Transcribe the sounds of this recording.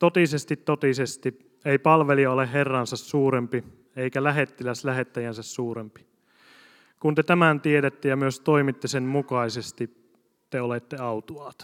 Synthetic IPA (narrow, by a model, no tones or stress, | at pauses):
t̪ot̪isest̪it̪ːot̪isest̪i | eipɑlʋeliɑolehɦerːɑnsɑsːuːɾempi | eikælæɦet̪ːilæslæɦet̪ːæjænsæssuːɾempi̥ | kunt̪et̪æmænt̪ieɾet̪ːejɑmyøst̪o̞imit̪ːesenmukɑisest̪i | t̪eolet̪ːeɑwt̪uɑːt̪